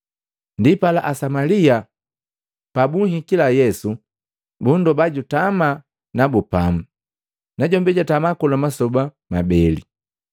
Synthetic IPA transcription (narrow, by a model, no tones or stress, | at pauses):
ndipalaʔasamalia | pabuŋhikilajɛsu | bundɔbaɟutama | nabupam̩ | naɟɔmbɛɟatamakɔlamasɔba | mabɛlḭ